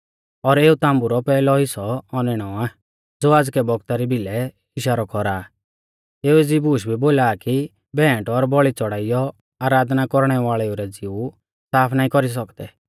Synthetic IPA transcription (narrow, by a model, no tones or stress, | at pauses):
ɔɾeːut̪ãːmbuɾɔpɛːlɔɦɪsɔɔnɪɽ̃ɔaː | d͡zoːaːd͡zkɛbɔɡt̪aɾibʱɪlɛ | ɪʃaɾɔkʰɔɾaː | eːued͡zibuːʃbʱiboːlaːki | bɛ̃ːʈɔɾbɔɭit͡sɔɽ̤aːijɔ | aːɾaːd̪nakɔɾɽ̃ɛʋaːɭɛuɾɛd͡ziu | saːpʰnaːĩkɔɾis̬ɔkd̪ɛ̰